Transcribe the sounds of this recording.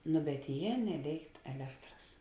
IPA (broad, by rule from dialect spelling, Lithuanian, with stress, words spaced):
nʊ bʲɛt ˈjeː nʲɛˈlʲeːɪkt ɛˈlʲæːktrɐs